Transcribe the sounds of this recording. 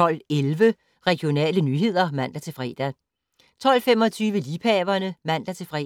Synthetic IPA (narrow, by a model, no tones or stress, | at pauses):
ɒ̽l̰elʋə | ʁɛɡ̥jo̝nɛ̰ːlənyːɦe̝ð̞̰ˠɐmæn̰d̥æt͡sʰe̝fʁɛ̰ːd̥æ | t͡sʰɒ̽l̰fem̰ɒ̽t͡sʰyːʋəlipʰɛːʋɐnəmæn̰d̥æt͡sʰe̝fʁɛ̰